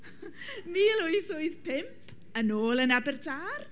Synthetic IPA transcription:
miːlʊɨθoɨθpʰɪmpʰ | ənoːlˠənabɛrtʰaːr

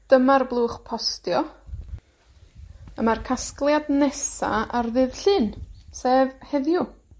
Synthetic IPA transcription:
d̥əmarblˠuːχpʰɔstjɔ | ə̰markʰasklˠjadnɛsa̰arðɨðɬɨːnseːvhɛðjʊ

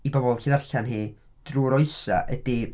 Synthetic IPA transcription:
ibɔbɔlˠɬiːðarɬanɦiː | d̥ruːɾɔɨsa̰ʔədi

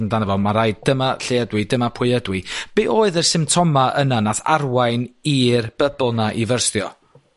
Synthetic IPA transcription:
ndanəvɔmaɾaɨd̚dəmaɬeədwɨdəmapʰwɪədwɪb̥eːʔoːɨðərsɪmtʰɔmaʔənanaθa̰rwajniːrb̥əbɔlˠnaʔivərsθjɔ

